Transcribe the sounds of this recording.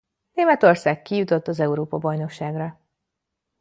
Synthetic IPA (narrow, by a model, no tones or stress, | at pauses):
neːmɛt̪o̞rsaːkkːijut̪o̞t̪ːɒzɛuɾoːpɒbɒjno̞kʃaːɡrɒ